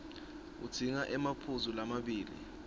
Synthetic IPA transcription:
ṵd̥ʰiŋaʔɛmapʰuzulamaɓiːlḭ

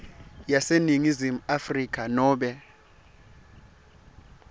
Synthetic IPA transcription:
jaseniŋizimuafrik̬ʰʼanɔːɓɛ

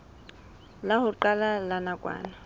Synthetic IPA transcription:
lahʊǃalalanakʼwa̰ːna

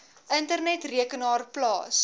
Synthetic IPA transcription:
ʔəntərnɛtriəkənɑːrplɑ̰ːs

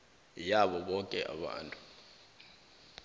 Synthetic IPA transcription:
jaɓɔɓɔŋkʼɛ̰ʔa̰ɓa̰ːntʼu̥

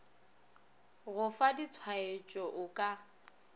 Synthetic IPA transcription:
ɣʊfadit͡sʰwaet͡ʃʼɔʔʊkʼa

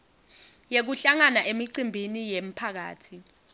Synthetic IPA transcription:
jek̬uɬaŋanaʔemiǀimbʱinijem̩pʰak̬a̰ːtʰi

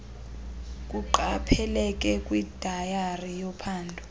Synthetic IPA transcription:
kʼuǃapʰɛlɛk̬ʼɛkʼwid̥ʱajarijɔpʰaːndʱɔ

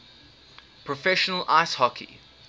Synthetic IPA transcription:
pʰɹəfɛʃənəlʔaɪshɔkʰḭ

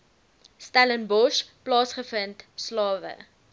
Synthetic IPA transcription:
stælənbɔʃplɑːsχəfəntslɑːvə̰

